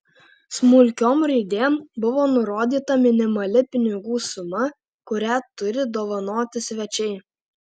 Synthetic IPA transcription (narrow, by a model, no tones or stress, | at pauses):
smʊlʲkʲoːmɾɐɪd̪ʲeːmbʊʋoːnʊɾoːd̪ʲiːt̪ɐmʲɪnʲɪmɐlʲɪpʲɪnʲɪɡuːsʊmɐ | kʊɾʲæt̪ʊɾʲɪd̪oːʋɐnoːt̪ʲɪsʲʋʲɛt͡ʃʲɛɪ